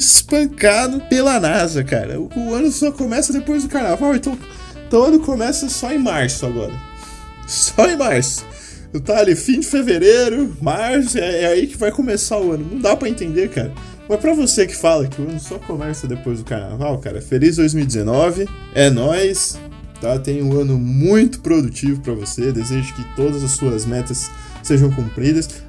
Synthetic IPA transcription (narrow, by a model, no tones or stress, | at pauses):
ɪspɐ̃ŋkad̪ʊpelɐnazɐka̰ɾɐ̰ʊʊɐ̃nʊsɔkomɛsɐd̪epojzd̪ʊkaɾnavawẽt̪ɐ̃w̃ | t̪ɐ̃w̃ɐ̃nʊkomɛsɐsɔẽj̃maɾsʊaɡɔ̰ɾɐ̰ | sɔẽj̃maɾsʊ̥ | ʊt̪aːlifĩd͡ʒɪfeveɾeɾʊmaɾsʊɛɛaikɪvajkomesaʊɐ̃nʊnɐ̃w̃d̪apɾɐẽnt̪ẽnd̪eɾkaɾɐ | mɐpɾɐvosekɪ̥falɐkɪʊɐ̃nʊsɔkomɛɾsɐd̪epojzd̪ʊkaɾna̰vawka̰ɾɐ̰felizd̪ojzmiwid͡ʒ̪ɪzenɔvɪ | ɛnɔjs | t̪at̪ẽj̃ʊ̃ɐ̃nʊmũj̃t̪ʊ̥pɾod̪ut͡ʃivʊpɾɐvosed̪ezeʒʊkɪt̪od̪ɐzɐsːuɐzmɛt̪ɐsː | eʒɐ̃w̃kũpɾid̪ɐs